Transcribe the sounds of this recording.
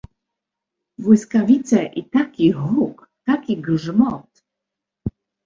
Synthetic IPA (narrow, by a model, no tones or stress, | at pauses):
vwɪskavʲit̪sɛʔit̪akʲiɦuk | t̪akʲiɡʐmɔt̪